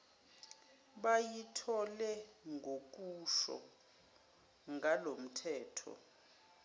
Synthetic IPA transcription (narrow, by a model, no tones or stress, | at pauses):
ɓajitʰɔlɛŋɡʱok̬ʼuʃɔ̰ | ŋɡʱalom̩tʰɛːtʰɔ̰